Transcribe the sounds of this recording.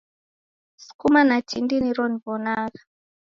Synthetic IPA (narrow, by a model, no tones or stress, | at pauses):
su̥kumanat͡ʃindiniɾɔnivɔnaːɣa